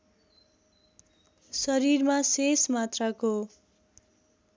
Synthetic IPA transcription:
sʌɾirmasesmat̪rako

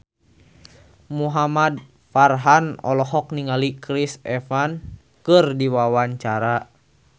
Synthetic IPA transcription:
muɦamad̚ | farɦanɔ̰lɔɦɔk̚niŋalikɾisɛfan | kɨrdiwawaɲt͡ʃaɾa

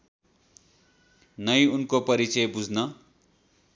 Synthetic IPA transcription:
nʌjunkopʌɾit͡sʌjbud͡zʱnʌ

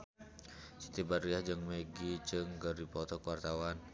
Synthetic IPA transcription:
t͡ʃit̪ibariahd͡ʒɨŋmeɡit͡ʃɨŋɡərdipɔt̪ɔkəwart̪awan

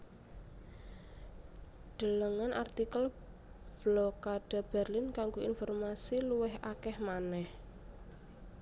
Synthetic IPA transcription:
ɖ̪̥ə̤ləŋanʔart̪ikəl | b̥lokaɖ̥a̤b̥ɛrlinkaŋɡoinfɔrmasiluwɛɦakɛhmanɛh

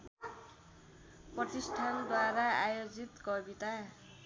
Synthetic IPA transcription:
prʌt̪isʈʰand̪waɾaajod͡zit̪kʌbit̪a

